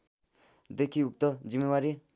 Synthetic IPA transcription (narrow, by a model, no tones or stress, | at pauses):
d̪ekʰiukt̪ʌd͡zimːewaɾi